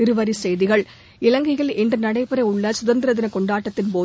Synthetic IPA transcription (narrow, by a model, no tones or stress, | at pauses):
ɪɾɯʋɐɾisɛjðɪɣɐɭ | ɪlɐŋɡɪɣɐɭɛndrɯnɐɽɐɪpːɪɾɐʊɭːɐsʊðɐnd̪ɪɾɐðɪnɐkɔɳɖaːʈːɐt̪ːɪnpoː